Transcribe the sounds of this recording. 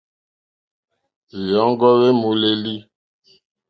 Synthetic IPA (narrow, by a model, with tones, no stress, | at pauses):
zi˨jɔ˨˦ŋ˦ɡɔ˦ɣe˦mu˨le˦li˦